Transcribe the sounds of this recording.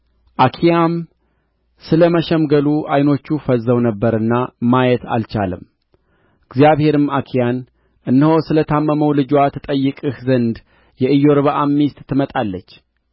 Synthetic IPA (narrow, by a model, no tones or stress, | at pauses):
ʔakʰijam | sɨləməʃɛmɡəluʔajno̞t͡ʃːufəzːəwnəbːəɾɨnːamajɛt̪ʰa̰lt͡ʃa̰lɨ̰m | ɨɡzijaβhe̞ɾɨmakʰijan | ʔɨnːhosɨlət̪ʰamːəməwlɨd͡ʒwat̪ʰət̪ʼəjːɨkʼɨhzənd̪ | jɛʔɨjːo̞ɾβaʔamːist̪ʼt̪ʰːɨmət̪ʼalːət͡ʃː